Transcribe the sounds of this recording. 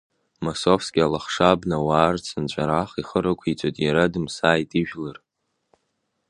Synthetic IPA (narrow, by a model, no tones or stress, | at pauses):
masofskʲʼalaχʂabnawaːrt͡sʰɨnt͡ɕʷʼaɾaχiχəɾakʷʰit͡sʷʼatʼjaɾadɨmsaːjtʼiʒᶣlar